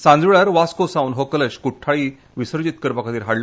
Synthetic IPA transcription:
sãnd͡zʋiɭaɾʋaskosaunɦokələɕkuʈʰːaɭiː | ʋisəɾd͡ʑit̪kəɾpakʰət̪iːɾɦaɽl

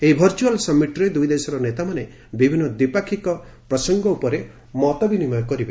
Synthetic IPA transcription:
eɦibʱɔɾt͡ʃualsɔmːiʈɔɾed̪ujd̪esɔɾɔnet̪amane | bibʱinːɔd̪ipakʰikɔ | pɾɔsɔŋɡɔupɔɾe | mɔt̪ɔbinimajɔkɔɾibe

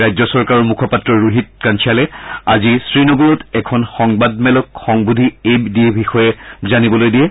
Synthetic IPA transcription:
ɹajzɔsɔɹkaɹɔɹmukʰɔpatɹɔɹuɦit̚kant͡ʃʰialɛa̰zisɹinɔɡulɔtɛkʰɔnxɔŋbad̚mɛlɔk̚xɔŋbudʱiebdiɛbʱixɔjɛzanibɔlojdijɛ

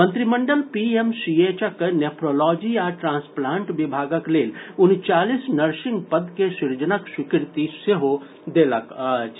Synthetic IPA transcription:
mə̃nt̪ɾiməɳɖəlpiemsiet͡ʃəknepʰɾolɔːd͡ʒiaʈɾãːnsplãːɳʈʋibʱaːɡəkleːlʊnt͡ʃaːlisnɐɾʃɪ̃ŋɡpəd̪kesiɾd͡ʒənəkswikɪɾt̪iseɦo | d̪elək

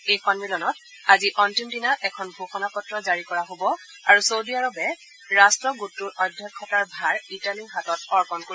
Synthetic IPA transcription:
ejxɔnmilɔnɔt | aziʔɔntimdinaʔɛkʰɔnbʱoxɔnapɔtɹɔzaɹikɔɹaɦobɔ | aɹusowdiaɹɔpɛ | ɹastɹɔɡutːuɹʔɔdʱːjɔkʰːɔtaɹbʱaɹitaliŋɦatɔtɔɹpɔnkoi

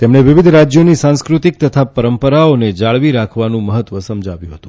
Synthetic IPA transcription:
t̪emɳeʋɪʋɪd̪ʱɾad͡ʒjonisãnskɾut̪ik̚t̪ət̪ʰapəɾəmpəɾaoned͡ʒaɭʋiɾakʰʋanũməɦət̪ʋəsəmd͡ʒʱaʋjũɦət̪ũ

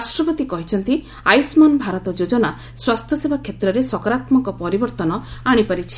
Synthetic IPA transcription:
ɾasʈɾɔpɔt̪ikɔɦit͡ʃʰɔnt̪i | ajsmɔnbʱaɾɔt̪ɔd͡ʒod͡ʒɔna | swast̪ʰjɔsebʱakʰet̪ɾɔɾesɔkɔɾat̪mɔŋkɔpɔɾibɔɾt̪ɔnɔaɽ̃ipaɾit͡ʃʰi̥

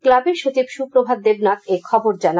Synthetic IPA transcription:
klabeɾʃot͡ɕibʃupɾobʱad̪d̪ebnak̪ekʰɔboɾd͡ʑana

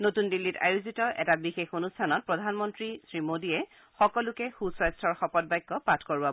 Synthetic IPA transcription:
notundilːita̰juzitɔʔɛtabixexonustʰanɔt̚pɹɔdʱanmɔntɹisɹimodiɛ | xɔkɔlʊkɛxusɔjstʰɔɹxɔpɔt̚bajkːɔpatʰkoɹa

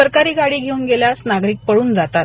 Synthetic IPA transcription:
əɾkaɾiːɡaɽiːɡʱeuːnɡeljasnaɡɾiːk̚pəɽuːnd͡zat̪at̪̚

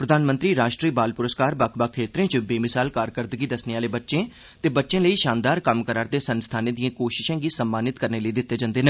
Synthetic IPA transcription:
pɾəd̪aːnmənt̪ɾiːɾaːʃʈɾiːbaːlpʊɾəskaːɾbaːkʰbaːkʰeːt̪ɾẽːt͡ʃəbeːmɪsaːlkaːɾkəɾd̪əɡiːd̪əsneaːleːbətːʃẽː | t̪eːbətːʃẽːləiːʃaːnd̪aːɾkəmkəɾaːɾd̪eːsənst̪ʰaːnẽːd̪ijãːkoːʃɪ̥ʃẽːɡiːsəmːaːnɪt̪kəɾneːləiːd̪ɪt̪ːeːd͡ʒãːnd̪eːnəː

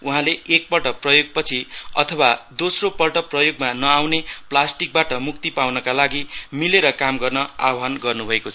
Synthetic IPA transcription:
uɦãleʔek̚pʌʈʌprʌjoɡ̚pʌt͡sʰiʌ̰t̪ʰʌwad̪osropʌʈʌprʌjoɡmanʌawneplasʈik̚baʈʌmuk̚t̪ipawnʌkalaɡimileɾʌkamɡʌrnʌa̰ɦanɡʌrnubʱʌekot͡sʰʌ

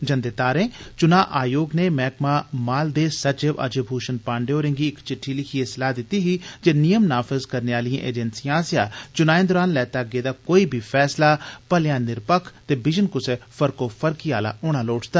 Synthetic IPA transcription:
d͡ʒənd̪eːt̪aːɾẽːt͡ʃʊnaːʔaːjoːɡneːmɛːkmaːmaːld̪eːsət͡ʃeʋa̰d͡ʒebʱuːʃənpãːɳɖeoːɾɪ̃ŋɡiːɪkt͡ʃɪʈʰːiːlɪkʰieːsəlaːd̪ɪt̪iːɦiːd͡ʒeːnɪjəmnaːfəzkəɾneaːlijã̰ːʔḛːd͡ʒɛnsijãːsjaːt͡ʃʊnaːẽːd̪ɔːɾaːnlɛːt̪aːɡeːd̪aːkoːiːbʱiːfʰɛːslaːpəljãːnɪɾpəkʰt̪eːbɪd͡ʒənkʊseːfʰəɾkoːfʰəɾkiːaːla̰ːoːɽaːloːʈʰt̪aː

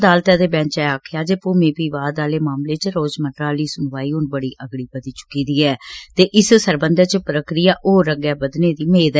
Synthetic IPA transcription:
d̪aːlt̪aːd̪eːbɛ̃ːt͡ʃɛːaːkʰjaːd͡ʒepoːmẽːpiːʋaːd̪aːleːmaːmleːt͡ʃɾoːd͡ʒmənɾaːliːsʊnʋaːiːʊnbəɽiːʔəɡɽiːbəd̪iːt͡ʃʊ̥kiːd̪iːɛːt̪eːʔɪssəɾbənd̪əɾt͡ʃpɾəkɾɪjaːʔoːɾəɡjaːbəd̪neːd̪iːmeːd̪ɛ

